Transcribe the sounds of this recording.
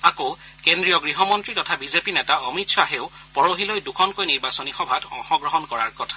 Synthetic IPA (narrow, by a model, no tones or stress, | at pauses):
ako | kendɹijɔɡɹiɦɔmɔntɹitɔtʰabizepinɛtaɔmitsʰɔaɦeʊ | pɔɹoɦilojdukʰɔnkojniɹbasɔnixɔbʱatɔ̰ŋxɔɡɹɔɦɔnkɔɹa̰ɹkɔtʰḁ